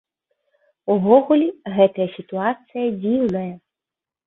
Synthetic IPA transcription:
uʋɔɦʊlʲiɣɛt̪ɐjɐsʲit̪ʊɑt̪sɨjɐd͡zʲiwnɐjɐ

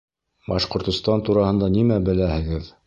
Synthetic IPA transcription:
bɑʃqŏɾt̪ŏst̪ɑnt̪uɾɑhɤ̆nd̪ɑnimæbɘ̆læhɘ̆ɡɘð

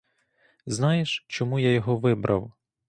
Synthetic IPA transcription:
znɑjeʃt͡ʃɔmujajɔɦɔʋɪbɾʔɐ̰w

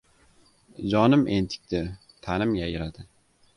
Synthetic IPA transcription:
d͡ʒɒnɪmʔent̪ʰɪ̥k̚ʲt̪ɪ | t̪ʰanɪmjajɪɾad̪ɪ

